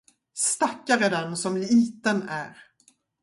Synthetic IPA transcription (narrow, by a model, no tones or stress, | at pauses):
st̪akːaɾɛd̪ɛnsɔmliːt̪ənæ̰ɾ